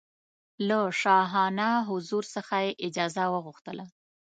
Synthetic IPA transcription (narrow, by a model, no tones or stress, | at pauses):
laʃɑɦɑnaɦʊzuɾsəxajeʔɪd͡ʒɑzawəɣuxt̪əla